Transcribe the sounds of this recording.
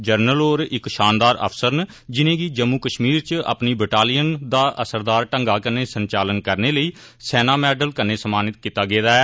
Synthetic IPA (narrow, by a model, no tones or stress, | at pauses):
d͡ʒəɾnəloːɾɪkʃaːnd̪aːɾə̰pʰsəɾn | d͡ʒɪnẽːɡiːd͡ʒəmːuːkəʃmiːɾt͡ʃə̰pniːbɪʈaːlijənd̪aːʔəsəɾd̪aːɾʈəŋɡaːkəneːsəɲt͡ʃaːlənkəɾneːləiː | sɛːnaːmɛːɖəlkənːeːsəmaːnɪt̪kit̪ːaːɡeːd̪aːɛː